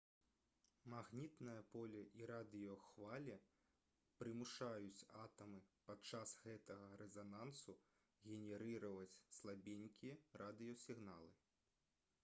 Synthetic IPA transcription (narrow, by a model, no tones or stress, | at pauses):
maɣnʲit̪nɐjɐpɔlʲɐʔiɾad̪ɨjɔxvalʲɛ | pɾɨmuʂajut͡sʲat̪ɐmɨpat͡ʂasɣɛt̪ɐɣɐɾɛzanansu | ɣʲɛnʲɛɾɨɾɐvɐt͡sʲslˠabʲenʲkʲijɛɾʔad̪ɨjɔsʲiɣnalˠɨ